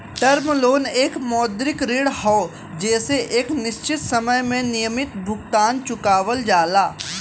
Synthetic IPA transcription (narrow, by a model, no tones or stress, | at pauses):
ʈəɾmloːneːkmɔːd̪ɾɪkɾeːɽhɔː | d͡ʒɛːseʔeːknɪʃt͡ʃɪt̪sɐməjmẽnɪjəmɪt̪bʱʊɡt̪aːnt͡ʃʊkaːʋəld͡ʒaːlaː